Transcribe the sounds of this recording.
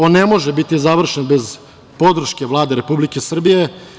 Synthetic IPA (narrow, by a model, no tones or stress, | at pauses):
onːemo̞ʒebit̪izaʋr̩ʃenbe̞z | po̞d̪r̩ʃkʲe̞ʋlˠaːd̪eɾepublikʲe̞sr̩bije̞